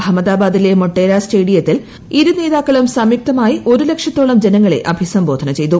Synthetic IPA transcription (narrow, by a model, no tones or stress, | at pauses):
ɐmːɐðaːbaːd̪ilemoʈːe̞ːɾaːsʈe̞ːɽijɐt̪ːil | iɾune̞ːðaːkːɐɭumsɐmjuk̚t̪ɐmaːjiʔo̞ɾule̞kʂɐt̪ːoːɭɐmd͡ʑenɐŋːɐɭe̞̰ʔɐbʱisɐmbo̞ːd̪ʱɐnɐt͡ɕe̞jt̪u